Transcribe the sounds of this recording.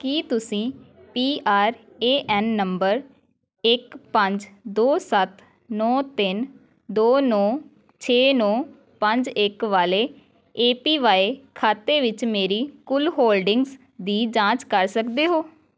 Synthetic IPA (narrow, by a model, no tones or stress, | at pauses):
kiːt̪ʊsĩːpiːʔaːɾ | eːʔɛːnːəmbəɾ | ɪkpəɲd͡ʒd̪oːsət̪ | nɔːt̪ɪn | d̪oːnɔː | t͡ʃʰeːnɔː | pəɲd͡ʒɪkʋaːleː | eːpiːʋaːeːkʰaːt̪eːʋɪt͡ʃmeːɾiːkʊlɦoːlɖɪŋɡz | d̪iːd͡ʒãːt͡ʃkəɾsəkd̪eːɦoː